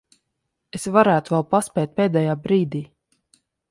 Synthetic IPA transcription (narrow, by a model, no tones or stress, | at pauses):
esvaɾæːt̪uvɛlˠpaspʲɛːt̪̚pʲeːd̪ɛjaːbɾiːd̪iː